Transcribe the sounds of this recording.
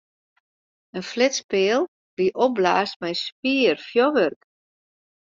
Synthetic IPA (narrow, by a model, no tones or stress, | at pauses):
ənflɪtspɪəlˠ | liʔɔp̚blaːst̚mɛjspiərfjoʋørk